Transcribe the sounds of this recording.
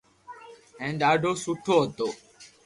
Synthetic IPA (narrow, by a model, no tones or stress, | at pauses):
ɛ̃ndaɖosutod̪o